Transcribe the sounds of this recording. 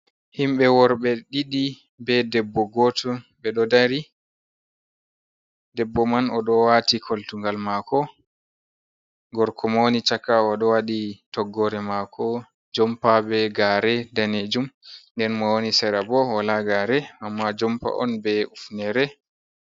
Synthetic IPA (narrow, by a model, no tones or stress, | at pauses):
himɓɛwɔɾɓɛɗiɗi | bɛdɛbːɔɡɔtɔbɛɗɔdaɾi | dɛbːɔmanɔɗɔwatikʰoltuŋɡalmakɔ | ɡɔɾkʰɔmonit͡ʃakaɔɗɔwaɗitɔɡːɔɾɛmakʰɔ | d͡ʒɔmpabɛɡaɾɛdaned͡ʒumndɛnmɔwonisɛɾabɔwalaɡaɾɛamːad͡ʒɔmpa̰ʔɔ̰nbɛufnɛɾɛ